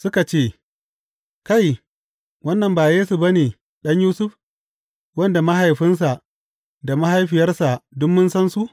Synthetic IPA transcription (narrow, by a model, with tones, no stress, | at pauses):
sʊ˦ka˨t͡ʃeː˦ | ka˦˨j | wɐ˦nːɐ˨mbaː˨jeː˦su˨bɐ˦neː˨ | ɗɐ˦ɲjuː˦sʊ˦ɸ | wɐ˦nda˨ma˦ɦa˨jɸɪ˦ns̬a˨ʔ | da˨ma˦ɦa˦jɸɪ˨jɐ˦rsa˨dʊ˦mːʊ˦nsɐ˦nsu˦ʔ